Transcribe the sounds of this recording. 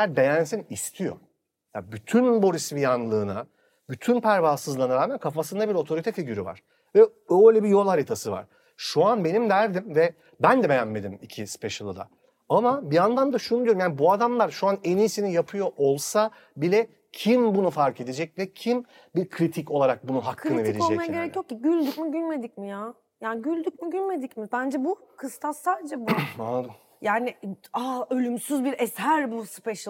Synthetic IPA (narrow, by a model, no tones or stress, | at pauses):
æɾbe̞jænsinist̪ʰijo̞̰ | ja̰byt̪ʰynbo̞ɾisvijanlˠɯːna̰ | byt̪ʰynpʰæɾvaːsɯzlˠaɯnaɾaːmænkʰafasɯnd̪abiɾo̞t̪ʰo̞ɾit̪ʰɛfiɟyɾyva̰ɾ̥ | vɛ | øjlʲɛbijo̞lˠhaɾit̪ʰasɯva̰ɾ̥ | ʃuanbe̞nimd̪æɾd̪imvɛ | bænd̪ɛbe̞jænme̞d̪imicʰispeʃɯlˠɯd̪a̰ | amabiand̪and̪aʃunud̪ijoɾumjaːnibuad̪amlˠaɾʃuane̞niːsinijapʰɯjo̞ʔolˠsa | bilʲɛ | cʰimbunufaɾkʰe̞d̪e̞d͡ʒɛc̚vɛcʰim | biɾkʰɾit̪ʰico̞lˠaɾak̚bununɦakʰːɯnɯveiɾeod͡ʒ̪ɛmajaɟe̞ɾecjociɟylʲd̪ycmiɟylʲme̞d̪icmijaː | jaːnɪɟylʲd̪yc̚miɟylʲme̞d̪icmibænd͡ʒɛbukʰɯst̪ʰaaːd̪ed͡ʒɛbuad̪ | jaːnɪaø̞lʲymsyzbiɾɛsæɾbuspeʃ